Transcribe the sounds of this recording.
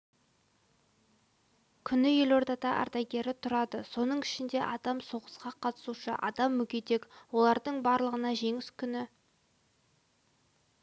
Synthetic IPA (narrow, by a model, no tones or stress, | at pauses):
kʲʰʏnɪjelo̞ɾd̪ɑt̪ɑʔɑ̰ɾt̪ɑjɡʲe̞ɾɪt̪ʰʊɾɑd̪əso̞nəɴɪʃɪnd̪e̞̰ʔɑd̪ɑmso̞ʁəsqɑqʰɑt̪ə̥suʃə̰ʔɑ̰d̪ɑmːɵkʲet̪e̞kwo̞lˠɑɾd̪əɴbɑɾlˠəʁənɑʒe̞ŋɪskʲʰʏnɪ